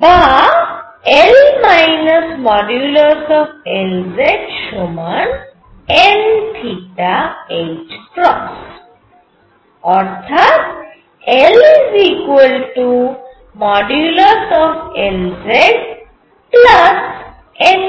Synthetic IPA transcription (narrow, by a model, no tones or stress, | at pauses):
ba | elmaɪnəsmɔɖjuləɾsɔfelzeʈʃomən | ɛ̃nʈʰiʈaed͡ʒkɾɔs | ɔɾt̪ʰat̪ | eliziːkʋəlʈu | mɔɖjuləɾsɔfelzeɖ | plɐs | en